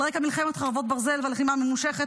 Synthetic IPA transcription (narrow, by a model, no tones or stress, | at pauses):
ʁekamilχɛmet̪χaʁvot̪̚baʁzelvalχimamemuʃeχet̪